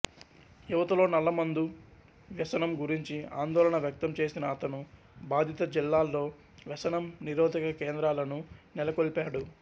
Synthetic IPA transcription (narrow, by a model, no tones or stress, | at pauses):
juʋɐt̪ɐlo̞ːnɐlːɐmɐnd̪u | ʋɛsɐnɐmɡuɾiɲt͡ʃia̰ːnd̪ɔːlɐɳɐʋjɐk̚t̪ɐmt͡ʃe̞ːsinɐːt̪ɐnu | baːd̪ʱit̪ɐd͡ʒilːaːlːo̞ː | ʋɛsɐnɐmniɾoːd̪ʱikɐkeːnd̪ɾaːlɐnunɛlɐkoɭpaːɽu